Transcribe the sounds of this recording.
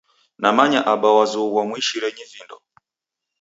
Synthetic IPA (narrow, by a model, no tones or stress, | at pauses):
namaɲaʔaɓawazuwamwiʃiɾɛɲivindɔ